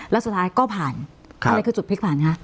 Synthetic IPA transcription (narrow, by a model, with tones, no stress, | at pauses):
lɛ˦˥su˨˩t̪ʰːaː˧˥jkɔː˥˩pʰaː˨˩nʰ˥˧ | a˧jkʰɯː˧t͡ɕu˨˩pʰi˦˥k̚pʰaː˨˩nkʰa˦˥ʔ